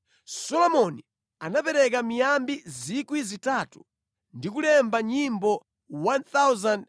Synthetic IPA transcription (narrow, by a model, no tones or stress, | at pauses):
sɔlɔmɔni | anapɛɾɛk̬amijambizikwizitatu | ndikulɛmbaɲimbɔ | want̪awzand